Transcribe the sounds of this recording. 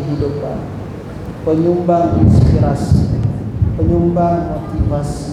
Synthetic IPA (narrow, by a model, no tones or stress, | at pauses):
ɦidupa̰n | pəɲumbaŋḭnspiɾasi | pəɲumbaŋmot̪ivasi̥